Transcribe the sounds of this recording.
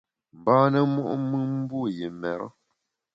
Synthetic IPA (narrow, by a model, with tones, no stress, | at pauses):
m˨baː˦nə˦mu˦ʔmɨ˦m̩˦bu˦˨je˨mɛ˨ɾɔ̰˦